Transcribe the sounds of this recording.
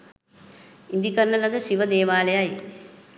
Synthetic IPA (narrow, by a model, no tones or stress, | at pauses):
ind̪ikɐɾɳɐlɐd̪ɯʃiʋɐd̪eːʋaːlɐjaːj